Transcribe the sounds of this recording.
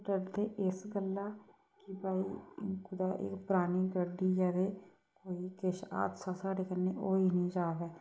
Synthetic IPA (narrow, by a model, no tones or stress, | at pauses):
ʈəɾd̪eːʔɪsɡəlːaː | kibaːiːkʊd̪aːʔɪ̰kpʊɾaːniːɡəɖːiːjaːd̪eː | koːiːkɪʃa̰ːd̪saːsaːɖeːkənːeːʔoːiːnĩːd͡ʒaːbɛː